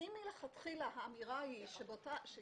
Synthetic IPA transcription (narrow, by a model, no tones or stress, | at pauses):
imileχat̪χilahaːmiʁahiʃebotaʃe